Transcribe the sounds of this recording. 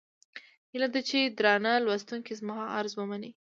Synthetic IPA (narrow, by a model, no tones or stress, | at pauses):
hilad̪at͡ʃed̪ɾɑnalwast̪uŋkizmɑɦɑʔaɾzwəmani